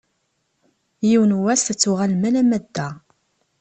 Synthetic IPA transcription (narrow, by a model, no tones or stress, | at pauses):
jiwnwæsθt͡sːuʁalmælæmæd̪ːæ